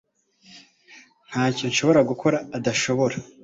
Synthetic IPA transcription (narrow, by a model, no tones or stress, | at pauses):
n̥haːconʃo̞βo̞ɾaɡukʰo̞ɾaːdaʃo̞βo̞ɾa